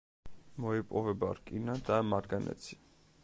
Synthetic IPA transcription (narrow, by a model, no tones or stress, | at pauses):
mɔipʼɔvɛba̰ɾkʼinad̪amaɾɡanɛ̰t͡sʰi̥